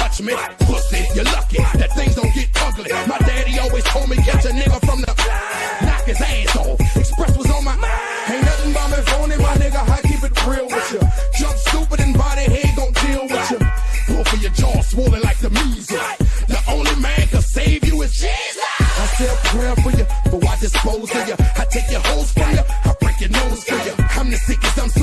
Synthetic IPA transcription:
tʰʌt͡ʃmi | pʰʊsɪjə˞lʌkiðɨt̪̚θɪ̃ŋzðõʊ̃nɡɛt̚ʌɡlĩmaɪdæɾiɔlˠwiz̥tʰoʊd̚mikʰɛt͡ʃɨnɛɡəfɹʌ̃mðɨb̥a | nækɨzæ̃sɔɨkspɹɛs̚wʌzɔmaɪʔa | hẽɪ̃nɛz̃n̩baɪmɪfõʊ̃nɨ̃maɪnɛɡəɦaɪkʰipɨt̚fʰɹɪlˠwɪð̥t͡ʃɨ̥ʒ̥ʌstupɨɾɨ̃nbaɪɾiɦeɡõʊ̃nd̥ilˠwɪð̥t͡ʃɨbɔfəjɨd͡ʒɔswolˠɪ̃ŋlaɪk̚ðəmʉzɪkðiʔõʊ̃nlimæ̃nkɨseɪvjɨɪz̥t͡ʃɨ | aɪsɛakʰɹ̥ɛ̥fə˞jɨb̥ʌwaɪdɨspoʊz̥ɨjɨaɪtʰeɪkjɨhoʊz̥fə˞jɨaɪbɹɪ̃ɪkjɨnoʊz̥fə˞jɨãɪ̃mnɨsikɨsãɪ̃ms

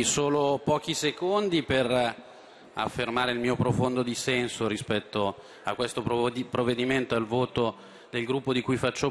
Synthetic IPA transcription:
soːlopɔːkisekond̪iper | a̰fːermaːɾeilmiːopɾofond̪od̪isɛnsoɾispɛt̪ːo | a̰kːwest̪opɾpɾovːed̪iment̪oalvoːt̪o | d̪elɡɾupːod̪ikujfat͡ʃːo

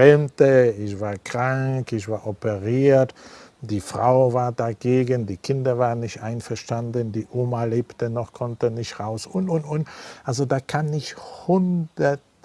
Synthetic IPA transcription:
ɛmtəɪçv̥aːɐkʁ̥aŋkɪçv̥aːɐʔɔpəʁiːɐtd̥iːfʁ̥a̰ʊvaːɐdaɡeːɡəndiːkʰɪndɐvaːʁənːɪçtʔaɪnfɛɐʃtandəndiːʔoːmaleːptənɔχkʰɔntənɪçtʁaʊsʔʊntʊntʊntʔalzodaːkʰanɪçthʊndɐt

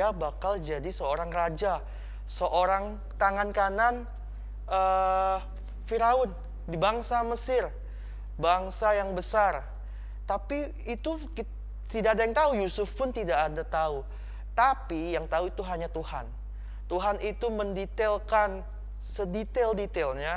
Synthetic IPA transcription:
abakald͡ʒadisəoɾaŋrad͡ʒa | səʔoɾaŋ | t̪aŋankanan | ʔə | fiɾaʊn | dibaŋsaməsɪr | baŋsajaŋbəsar | t̪apiː | t̪uk | t̪idaʔadajaŋt̪aujusʊfpʊnt̪idaʔːdat̪au | t̪apijaŋt̪auit̪uɦaɲat̪uhan | t̪uɦanit̪uməndit̪ɛlkan | sədit̪ɛldit̪ɛlɲa

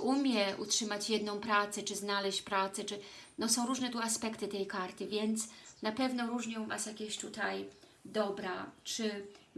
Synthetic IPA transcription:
ʔumʲjɛʔṵtʂɘmat͡ɕjɛd̪nɔ̃w̃pɾat̪sɛt͡ʂɘznalɛɕt͡ɕpɾat̪sɛt͡ʂɘnɔsɔ̃w̃ɾuʐnɛt̪uaspɛkt̪ɘt̪ɛjkaɾt̪ɘvʲjɛnt̪snapɛvnɔɾuʐɲɛ̃masjakʲeɕt̪ut̪ajd̪ɔbɾat͡ʂɘ

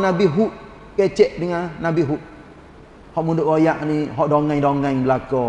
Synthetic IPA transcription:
nabiɦuʔ̚ | kɛt͡ʃɛʔdiŋanabiɦut̪̚ | hɔʔmundʊʔkojaʔniɦɔʔdɔŋaŋdɔŋaŋbəlakɔ

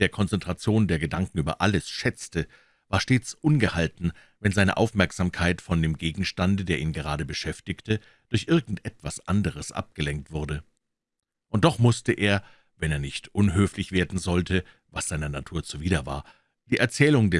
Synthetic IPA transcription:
d̥eːɐkʰɔnt͡sɛntʁ̥at͡sjoːndeːɐɡədaŋkŋ̩yːbɐʔaləsʃɛt͡stə | vaːɐʃteːt͡sʔʊnɡəhaltn̩ | vɛnzaɪnə̰ʔa̰ʊfmɛɐkz̥aːmkʰaɪtfɔndeːmɡeːɡŋ̩ʃtandədeːɐʔiːnɡəʁ̞aːdəbəʃɛftɪçtʰə | d̥ʊɐçʔɪɐɡŋ̩tʔɛtv̥asʔa̰ndəʁ̞əsʔa̰p̚ɡ̥əlɛŋk̚tv̥ʊɐdə | ʔʊnt̚d̥ɔχmʊstəʔeːɐ | vɛneːɐnɪçtʔʊnɦøːflɪçv̥eːɐdn̩zɔltʰə | vasz̥aɪnɐnatʰuːɐt͡suviːdɐva̰ːɐ | d̥iːʔɛɐt͡sɛːlʊŋdɛ

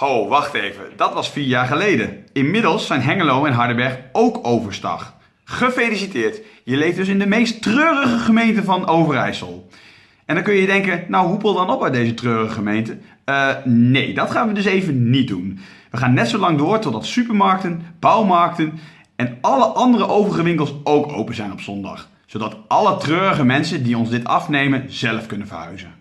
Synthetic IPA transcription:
howʋɑχtejvə̰dɑtʋɑsfiːɹjaːɹχəlejdəɪnmɪdəlˠsːɛjnɦɛŋəlowɛnɦɑɹdəbɛɹχowkowvəɹstɑ̰χ | χəfejlisitɪːɹtjəlejfdɵs̬ɪndəmejstrøːrəχəχəmejntəvɑnowvərɛ̰jsə̰lˠ | ʔɛ̃ndɑnkɵnjədɛŋkənnawɦupɪlˠdɑnɔpœɥt̚dejzətrøːrəəχəmejntə | nejdɑtχaːnʋədɵsejvənnit̚dun | ʋəχaːnːɛtsowlɑŋdʊːɹtɔdɑtsypəɹmɑɹk̚tənb̥ɑwmɑɹk̚tən | ɛnɑləʔɑndərəʔowvərəχəʋɪŋkəlˠsowkʰo̰wpəzɛjnɔpsɔndɑ̰χ | sowdɑtʔɑlətrøːrəχəmɛnsəndiɔnzdɪtɑ̰fnejmənzɛləfkɵnənvə̰ɦœ̰ɥzən

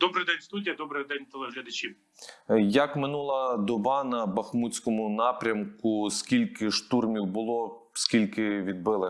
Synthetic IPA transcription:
d̪̥ɔbɾɪjd̪ɛnʲst̪udʲijɐd̪ɔbɾɪjd̪ɛnʲt̪ɛlˠɛɦlʲɐd̪ɐt͡ʃʲiw | jɐkmɪnulˠɐd̪ɔbɑnɐbɐxmut͡sʲkɔmʊnɑpɾʲɐmkʊskʲilʲkɪʃt̪urmʲiwbʊlˠɔ | skʲilʲkɪʋʲid̪̚bɪlˠɪ

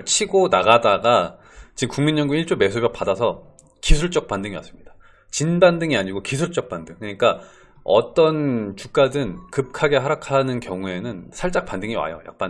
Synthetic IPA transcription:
t͡ɕʰiɡonaɡadaɡa | t͡ɕikuŋminːʌŋɡuiɭt͡ɕ͈ome̞s̬ʰubjʌk̚padasʰʌ | kisʰuɭt͡ɕ͈ʌk̚p͈andɯŋiʌ̰s͈ɯ̥mɲid̥a | t͡ɕinbandɯŋiaɲiɡokisʰuɭt͡ɕ͈ʌk̚p͈andɯŋkɯɲik͈a | ʌ̰t͈ʌnt͡ɕuk̚k͈adɯnkɯp̚kʰaɡe̞ɦaɾakʰanɯnkjʌŋue̞nɯnsʰaɭt͡ɕ͈ak̚pandɯŋiwa̰jo̰ja̰k̚p͈a

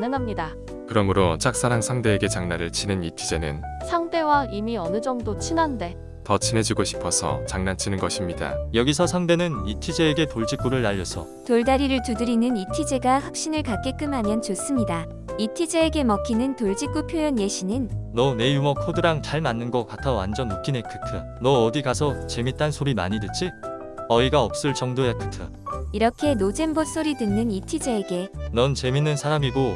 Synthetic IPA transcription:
nɯŋɦamɲida | kɯɾʌmɯɾot͡ɕʰak̚s͈aɾaŋsʰaŋde̞ːɡe̞t͡ɕaŋnaɾɯɭt͡ɕʰinɯnitʰːid͡ʑe̞nɯ̰nsʰaŋde̞waimiʌnɯd͡ʑʌŋdot͡ɕʰinande̞ | tʌt͡ɕʰine̞d͡ʑiɡoɕʰi̥pʰʌsʰʌ̰t͡ɕaŋnant͡ɕʰinɯnɡʌɕʰimɲida̰jʌɡisʰʌsʰaŋde̞nɯnitʰid͡ʑeːɡe̞toɭd͡ʑik͈uɾɯɭːaʎːʌsʰʌ | toɭdaɾiɾɯɭtudɯɾinɯnitʰid͡ʑe̞ɡaɸwak̚ɕ͈inɯɭkak͈e̞k͈ɯmɦamjʌnt͡ɕos͈ɯmɲida | itʰid͡ʑeːɡe̞mʌkʰinɯntoɭd͡ʑik͈upʰjojʌnje̞ɕʰinɯnnʌne̞jumʌkʰodɯɾaŋt͡ɕaɭmanːɯnɡʌk͈atʰʌwa̰nd͡ʑʌnukʰinekʰɯkʰɯ | nʌːdiɡasʰʌt͡ɕe̞mit͈ansʰoɾima̰ɲidet͡ɕ͈ʰi | ʌiɡaʌp̚s͈ɯɭt͡ɕʌŋdojekʰɯ̥kʰɯ̰ | iɾʌkʰe̞nod͡ʑe̞mbos͈oɾidɯnːɯnitʰid͡ʑeːɡe̞nʌnt͡ɕe̞minːɯnsʰaɾamiɡo

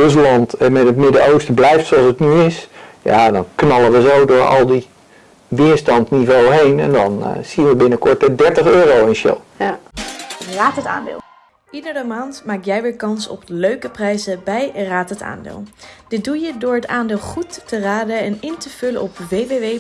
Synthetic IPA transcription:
røs̬lɑntmɛtətmɪdəowstblɛjftsoɑlˠsətnyɪsja̰dɔnknɑlˠəʋəzowdʊːɹɑ̰lˠdi | ʋɪəɹstɑntnivowəɦejnɛ̰ndɔnsiənʋəbɪnəkɔɹtədɛɹtəχøːɾowɪnʃɪ̰lˠ | raːtəta̰ːndɪ̰ːlˠ | idəɹəmaːntmaːkjɛjʋɪːɹkɑnsɔ̰pløɥkəprɛjzəbɛjraːtəta̰ːndɪ̰ːlˠd̥ɪt̚dujədʊːɹɦətaːndeːlˠχutːəraːdəɛnɪntəv̥ɵlə̰nɔpʋejbeʋe

